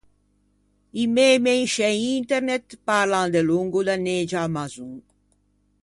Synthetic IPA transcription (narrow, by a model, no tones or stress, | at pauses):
imeːmenʃeint̪eɾnet̪paɾlãnd̪eluŋɡud̪aned͡ʒamazuŋ